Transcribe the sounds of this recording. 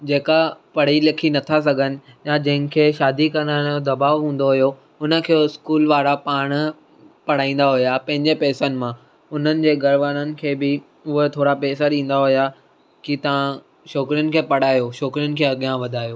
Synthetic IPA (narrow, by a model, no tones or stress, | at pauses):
d͡ʑeːkapɐɽ̤ilɐkʰinɐt̪ʰas̬ɐɡʱənɪ̆jãd͡ʑɐ̃ɦɪ̃kʰeːʃaːd̪ikɐnə̃od̪ɐbaːʋɦũːn̆d̪oɦʊjo | ʊnə̆kʰeɪskuːlʋaːɾapaːɽ̃ | pɐɽ̤aːĩːn̆d̪aɦʊjapɐ̃ɦɪ̃ɲd͡ʑepɛːsənɪ̆mã | ʊn̤ənɪ̆d͡ʑeːɡɐɾʋaːnənɪ̆kʰeːbɪ | ʊɦet̪ʰoːɽapɛːsaɗĩːn̆d̪aɦʊja | kit̪ɐʋã | ʃɔːkɾijʊnɪ̆kʰeːpɐɽ̤aːjoʃɔːkɾijʊnɪ̆kʰeːɐɠijãʋɐd̪ʱaːjoː